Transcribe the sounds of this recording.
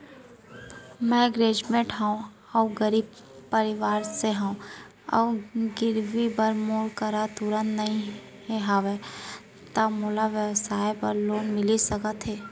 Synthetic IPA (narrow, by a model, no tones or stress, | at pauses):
mɛ̃ɡɾeːd͡ʒmẽʈɦəõ | ɔːɡəɾiːb | pəɾɪʋaːɾseɦəõ | ɔ̰ɡɪɾʋibəɾmoːɽkəɾat̪uɾə̃nt̪nɐɦĩ | ɦeɦaːʋe | t̪əmoːlaʋjəwsaːepəɾloːnmɪlisəkət̪ʰɦeː